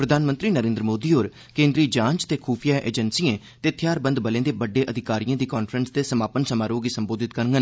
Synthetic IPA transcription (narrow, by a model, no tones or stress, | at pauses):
pɾəd̪ʱaːnmə̃nt̪ɾiːnəɾẽːnd̪ɾəmoːd̪iːɦoːɾ | kẽːnd̪ɾiːd͡ʒãːɲd͡ʒt̪eːkʰuːpʰijaːʔḛːd͡ʒənsiẽː | t̪eːt̪ʰjaːɾbə̃nd̪bəlẽːd̪eːbəɖːeːʔəd̪ʱɪkaːɾijãːd̪iːkɔːnfʰəɾənst̪eːsəmaːpənsəmaːɾoːɡiːsəmboːd̪ɪt̪̚kəɾŋɡən